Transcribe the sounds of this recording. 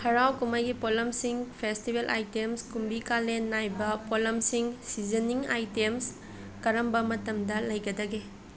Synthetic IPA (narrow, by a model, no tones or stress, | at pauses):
hɐɾawkumɐjɡipolɐmsiŋpʰestibelʔa̰jtemskumbikalenːajbɐpolɐmsiŋsizeniŋa̰jtems | kɐɾɐmbɐmɐtɐmdɐlɐjɡɐdɐɡe